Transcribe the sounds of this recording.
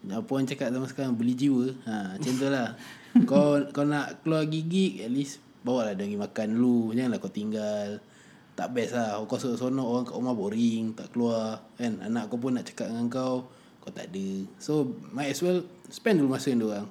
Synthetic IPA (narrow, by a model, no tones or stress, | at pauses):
apɔnt͡ʃakat̪̚samasəkaɾaŋbəlid͡ʒiwəat͡ʃɛnt̪əlah | kawkawnaʔkəluaɡiɡiʔ̚ɛt̪̚lis | bawaʔlahdaŋimakanlud͡ʒnlahkawt̪iŋɡal | t̪aʔbɛslahokawsosonɔoɣaŋkaʔmaboɾiŋt̪aʔkəluakana̰naʔkawp̬ʊnːaʔt͡ʃḁkat̪̚ŋaŋkaw | kawt̪a̰ʔdəsomajɛswɛlsə̥pɛndulumasənduoɣaŋ